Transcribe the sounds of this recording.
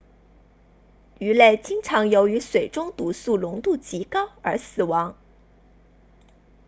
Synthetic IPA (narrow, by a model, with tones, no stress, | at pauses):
y˧˥le˥˩ɪt͡ɕi˥ŋʈ͡ʂʰɑ˧˥ŋjo˧˥ʊy˧˥swe˨˩ɪʈ͡ʂʊ˥ŋt̪u˧˥su˥˩lʊ˧˥ŋt̪u˥˩t͡ɕi˧˥kɑ˥ʊə̰˞˧˥sɹ̩˨˩wɑ˧˥ŋ